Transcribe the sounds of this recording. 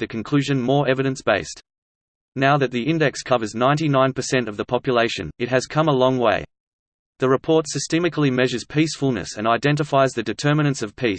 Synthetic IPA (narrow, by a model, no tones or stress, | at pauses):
ðɨkʰɨ̃n̩kʰl̥ʉʒɨ̃nmɔɹɛvɨɾɨ̃nsb̥eɪs | naʊðɨt̪̚ðiɪ̃ndɛkskʰʌvə˞znãɪ̃ntinãɪ̃npʰə˞sɛ̃ntʌvðəpʰɑpjəleɪʃɨ̰̃nɨt̚ɦɨz̥kʰʌ̃məlɔ̃ŋweɪ | ðɨɹɨpʰɔɹtsɨstɛmɨklˠimɛʒə˞z̥pʰisfl̩ˠnɨ̰sɨ̃naɪdɛ̃ntɨfaɪzðɨdɨtʰɜ˞mɨñɨ̃nsʌv̥pʰis